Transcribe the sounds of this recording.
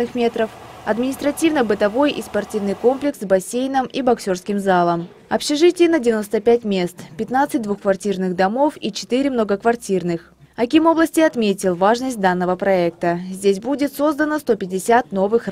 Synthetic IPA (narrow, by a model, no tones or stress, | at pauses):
ɨxmʲe̞t̪ɾəfɐ̰d̪mʲɪnʲɪst̪ɾɐtʲivnəbɨt̪ɐvo̞jʔispɐrtʲivnɨjko̞mplʲɪksbɐsʲejnəmibɐksʲo̞rskʲɪmzalˠəm | ɐpɕɪʐɨtʲɪjnədʲɪvʲɪno̞st̪əpʲætʲmʲe̞st̪pʲɪt̪nat̪sɨt̚ʲd̪vuxkvɐrtʲirnɨɣd̪ɐmo̞fit͡ɕɪ̥t̪ɨɾʲɪmnoɡəkvɐrtʲirnɨx | ɐkʲimo̞blˠəsʲtʲɪɐt̪mʲetʲɪlˠvaʐnəsʲt̚ʲd̪anːəvəpɾɐɛk̚t̪əzʲdʲes̬ʲbudʲɪt̪so̞zd̪ənəst̪o̞pʲɪdʲɪsʲat̪̚no̞vɨx